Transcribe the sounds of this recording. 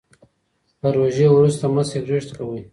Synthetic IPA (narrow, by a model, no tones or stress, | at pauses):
pəɾoʒewɾust̪amaseɾɾeʂt̪kawə